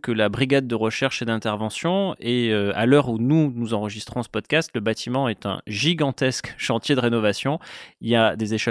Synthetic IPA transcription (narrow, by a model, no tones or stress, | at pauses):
kəlabʁiɡad̪ːəʁəʃɛʁʃed̪ɛ̃t̪ɛʁvɑ̃sjɔ̃eøa̰lœʁununuzɑ̃ʁəʒist̪χɔ̃sə̥pɔd̪kast̪ləbat̪ʰimɑ̃ɛt̪ɛ̰̃ʒiɡɑ̃t̪ɛskʃɑ̃t̪jed̪əʁenɔvasjɔ̃iliad̪ezeʃɛ